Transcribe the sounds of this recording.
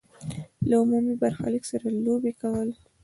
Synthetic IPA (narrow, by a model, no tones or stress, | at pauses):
laʊmumibaɾxa̰ləksaɾalobekawəl